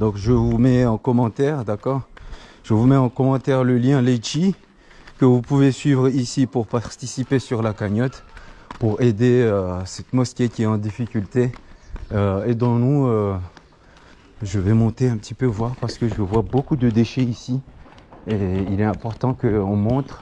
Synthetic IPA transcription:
d̪ɔ̃kʒəvumɛɑ̃kɔmɑ̃t̪ɛʁd̪akɔːʁ | ʒ̥əvumɛɑ̃kɔmɑ̃t̪ɛʁləljɛ̃let͡ʃi | kəvupuvesɥivʁisipuʁpaʁt̪isipesyʁlakaɲɔt̪puʁed̪eøsɛt̪mɔskʲekʲiɛɑ̃d̪ifikʲylt̪e | øed̪ɑ̃nuø | ʒəvɛmɔ̃t̪eɛ̃pət̪ipøvwaʁpaʁsə̥kəʒəəvwabokud̪əd̪eʃɛisi | eilɛɛ̃pɔʁt̪ɑ̃kəɔ̃mɔ̃t̪χ

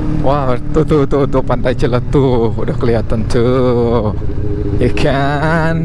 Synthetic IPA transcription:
wʔawt̪ut̪ut̪ut̪upant̪ajt͡ʃələt̪uudahkəliat̪ant̪ə | ikʰan

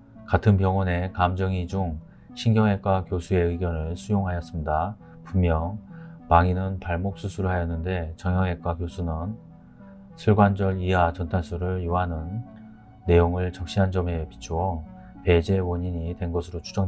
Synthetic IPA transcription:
katʰɯnpjʌŋwʌne̞kamd͡ʑʌŋid͡ʑuŋ | ɕʰinɡjʌŋɦe̞k͈wakjosʰue̞ɯɡjʌnɯɭsʰujoŋɦajʌs͈ɯmda | pumjʌŋpaŋinɯnpaɭmok̚s͈usʰuɾɦajʌnːɯnde̞t͡ɕʌŋjʌŋɦe̞k͈̚wakjosʰunɯn | sʰɯɭɡwand͡ʑʌɭiat͡ɕʌntʰaɭsʰuɾɯɭjuɦanɯnː | e̞joŋɯɭt͡ɕʌk̚ɕ͈iɦand͡ʑʌme̞pit͡ɕʰuwʌ | pe̞d͡ʑe̞woɲiɲitwe̞nɡʌsʰɯɾot͡ɕʰu̥d͡ʑʌŋ

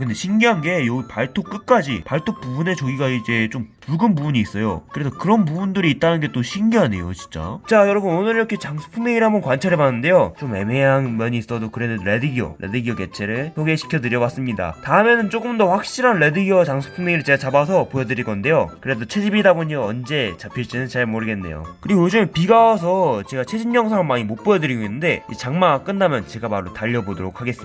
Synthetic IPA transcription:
kɯnde̞ɕʰinɡiɦanɡe̞jʌɡipaɭtʰok͈ɯk̚k͈ad͡ʑḭpaɭtʰop͈ubune̞t͡ɕʌɡiɡaid͡ʑe̞t͡ɕ͈ompuɭɡɯnbubuɲiːs͈ʌjo̰kɯɾe̞sʰʌkɯɾʌnpubundɯɾiːt̚t͈anɯnɡe̞t͈oɕʰinɡiɦane̞̰jo̰t͡ɕi̥nt͡ɕ͈a̰t͡ɕajʌɾʌbunonɯɾiɾʌkʰe̞t͡ɕaŋsʰo̥pʰuŋneŋiɾɦamʌnkwant͡ɕʰeɾeɭbanːɯnde̞jot͡ɕome̞meɦanmjʌɲiːs͈ʌdokɯɾe̞nɯnɾe̞dɯɡio̰ɾʔḛdɯɡiʌke̞t͡ɕʰe̞ɾɯɭsʰoɡeɕʰi̥kʰjʌdɯɾjʌwas͈ɯmɲida̰taɯme̞nɯnt͡ɕ͈oɡɯmdʌɸwak̚ɕ͈iɾɦanɾe̞dɯɡiot͡ɕaŋsʰu̥pʰuŋneiɾɯɭt͡ɕe̞ɡat͡ɕabasʰʌpojʌdɯɾiɡʌnde̞jokɯɾe̞dot͡ɕʰe̞d͡ʑibidaboɲʌʌnd͡ʑe̞t͡ɕapʰiɭt͡ɕ͈inɯnt͡ɕaɭmoɾɯɡe̞nːe̞̰jo̰kɯɾiɡojod͡ʑumepiɡawʌs̬ʰʌt͡ɕe̞ɡat͡ɕʰe̞d͡ʑimɲʌŋsʰaamːaɲimot̚p͈ojʌdɯɾiɡoinːɯnde̞it͡ɕaŋmaɡk͈ɯnːamjʌnt͡ɕe̞ɡamaɾotaʎːʌbodoɾok̚ʰaɡe̞s͈ɯm

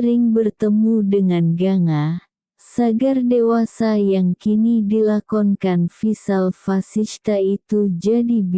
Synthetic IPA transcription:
ɾɪŋbərt̪əmudəŋanɡaŋa | saɡardewasajaŋkinidilakɔnkanfisalfasist̪ait̪ud͡ʒadib

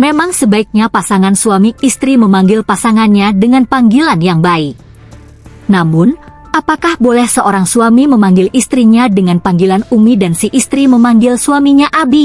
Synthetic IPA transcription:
memaŋsəbaik̚ɲapasaŋansuamiist̪ɾiməmaŋɡɪlpasaŋanɲadəŋanpaŋɡilanjaŋbaɪk̚ | namʊn | ʔapakahbolɛhsəʔoɾaŋsuamiməmaŋɡɪlist̪ɾiɲadəŋanpaŋɡilanumidansiʔist̪ɾiməmaŋɡɪlsuamiɲaʔabi

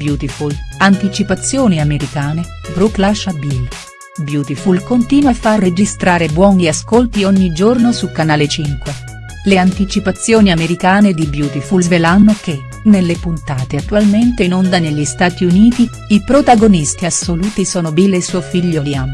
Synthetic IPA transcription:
bjuːt̪ifulant̪it͡ʃipat̪sːjoːniameɾikaːne | bɾuklaʃabil | bjuːt̪ifulkont̪iːnwafarːed͡ʒist̪ɾaːɾebwɔːniaskolt̪ioɲːid͡ʒornosukanaːlet͡ʃiŋkwe | leant̪it͡ʃipat̪sːjoːniameɾikaːned̪ibjuːt̪ifulzvelanːok̟e | nelːepunt̪aːt̪eat̪ːualment̪einond̪aneʎːist̪aːt̪iuniːt̪i | ipɾot̪aɡonist̪iasːoluːt̪isɔːnobilːesuofiʎːoliam

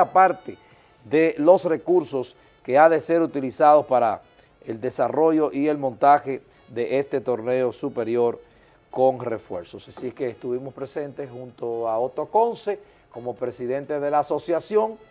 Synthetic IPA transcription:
apaɾt̪e | ðe̞lo̞sre̞kuɾso̞s | ke̞aðe̞se̞ɾut̪ilisað̞o̞spaɾa | eld̪e̞saro̞ʝo̞ʔie̞lmõnt̪axe̞ | ðe̞ʔest̪e̞t̪o̞ɾne̞o̞supe̞ɾjo̞ɾ | ko̞ŋre̞fwe̞̰ɾso̞sasieskeːst̪uβimo̞spɾe̞se̞nt̪eshunt̪o̞aot̪oko̞nse̞ | ko̞mo̞pɾe̞siðe̞nt̪e̞ðe̞laːso̞sjasjo̞ŋ

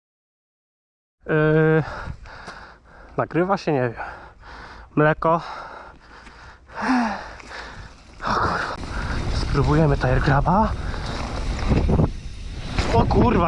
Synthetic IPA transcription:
naɡɾɘvaɕɛɲɛvʲjɛm | mlɛkɔ | ɔkuɾvspɾubujɛmɘt̪ajɛɾɡɾaba | ɔkuɾva

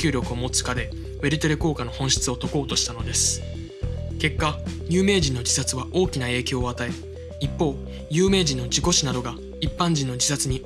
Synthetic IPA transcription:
ɨːɾʲo̞kɯ̟omo̞t͡sɨ̥kad̪e̞ | βe̞ɾʲit̪o̞ɾeko̞ːkano̞hõ̞ɰ̃ɕi̥t͡sɨo̞t̪o̞ko̞ːt̪o̞ɕi̥t̪ano̞d̪e̞sɨ̥ | ke̞kːaɲʲɨːme̞ːʑĩnːo̞d͡ʑisat͡sɨβaʔo̞ːkʲinae̞ːkʲo̞ːat̪ae̞ | ipːo̞ː | jɯ̟ːme̞ːd͡ʑĩnːo̞d͡ʑiko̞ɕinad̪o̞ɡa | ipːãɲ̟d͡ʑĩnːo̞d͡ʑisat͡sɨɲ̟i

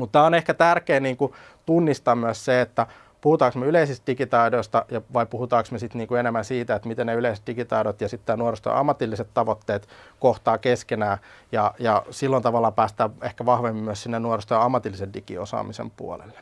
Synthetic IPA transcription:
mut̪t̪æːonehkæt̪ærkeːniːŋku | t̪unːist̪ɑːmmyøsseet̪ːæ | puhut̪ɑːksmeyleisist̪dikit̪ɑidoist̪ɑjɑʋɑipuhut̪ɑːksmesit̪niːŋkuenemːænsiːt̪æet̪mit̪enneyleise̥t̪̚dikit̪ɑidot̪jɑsit̪ːæːnuorest̪o̰ʔɑ̰mːɑt̪ilːiset̪t̪ɑʋot̪ːeːt̪koht̪ɑːkeskenæːjɑjɑsilːont̪ɑʋɑlːɑpæːst̪æːʋehkæʋɑhʋemːimmyøssinːennuorest̪ojɑmːɑt̪ilːiseddikḭosɑ̰ːmisḛmpṵo̰lḛlːe̥

